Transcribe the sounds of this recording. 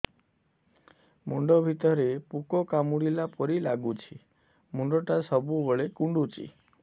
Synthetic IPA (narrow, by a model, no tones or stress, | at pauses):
muɳɖɔbʱit̪ɔɾepukɔkamuɽilapɔɾilaɡut͡ʃʰi | muɳɖɔʈasɔbubəɭekuɳɖut͡ʃʰḭ